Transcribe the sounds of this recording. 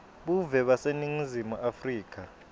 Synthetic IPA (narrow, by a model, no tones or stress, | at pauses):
ɓuvɛɓaseniŋizimuʔafriːk̬ʰʼa